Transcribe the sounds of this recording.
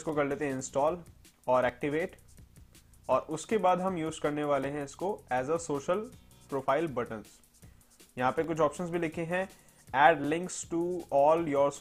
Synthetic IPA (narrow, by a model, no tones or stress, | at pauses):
skokɐɾleːt̪eɦɛ̃ɪ̃nsʈɔːl | ɔːɾɛːk̚ʈɪʋeːʈ | ɔːɾʊskebaːd̪ɦɐ̃mjuːzkɐɾneʋaːleɦɛ̃ɪskoɛːzəsoːʃəl | pɾoːfʰaːɪlbɐʈə̃ns | jɐɦãpekʊt͡ʃʰɔːpʃə̃nzbʱilɪkʰeɦɛ̃ | ɛːɖlɪ̃ŋksʈuɔːljɔːɾs